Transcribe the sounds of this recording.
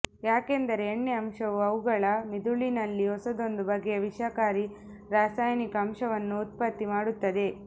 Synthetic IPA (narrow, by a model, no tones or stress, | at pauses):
jaːke̞nd̪ɐɾe̞ːɳːeɐmʂɐʋuɐʋuɡɐɭɐmid̪uɭinɐlːiɦɔsɐd̪ond̪ubɐɡːe̞ʋiʂɐkaːɾi | ɾaːsaːjɐnikɐɐmʂɐʋɐnːuːt̪̚pɐt̪ːimaːɽut̪ːɐd̪e̞